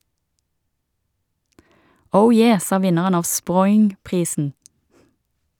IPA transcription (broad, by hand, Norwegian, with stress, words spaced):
ˈəʊ ˈjeː ˈsɑː ˈʋɪnəʁən ˈɑːʋ ˈspʁɔʏŋˌpʁiːsn̩